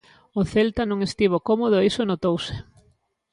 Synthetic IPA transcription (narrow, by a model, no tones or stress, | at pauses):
ʊθelt̪anõŋest̪iβ̞okomoð̞oisonot̪owsɪ̥